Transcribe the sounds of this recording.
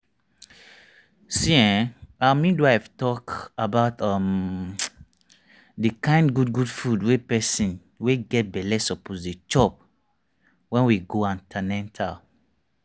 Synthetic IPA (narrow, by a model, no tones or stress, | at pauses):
siɛ̃amĩnduaɛvtɔkabaʊtʌ̃m | dəkãɪ̃ndɡudɡudfudwepɛsĩn | weɡɛt̚bɛlɛsɔpozdit͡ʃɔp̚ | wɛ̃nwiɡoãntʰanɛ̃ntʰal